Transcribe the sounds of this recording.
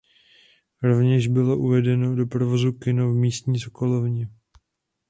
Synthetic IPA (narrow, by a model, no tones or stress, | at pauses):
ɾo̞vɲɛʒbɪlo̞ʔuvɛdɛno̞do̞pɾovozukɪnovmiːst̪ɲiːsoko̞lovɲɛ